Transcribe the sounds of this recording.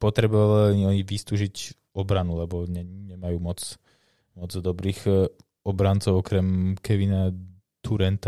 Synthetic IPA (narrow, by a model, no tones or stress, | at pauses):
pɔt̪ɾɛbɔʋaʋaiɔɲiʋist̪uːʒic | ɔbɾanulɛbɔɲɛɲɛmajuːmɔt͡s | mɔd͡zd̪ɔbɾiːx | ɔbɾant͡sɔʊɔkɾɛmkɛʋina | t̪uɾɛnt̪a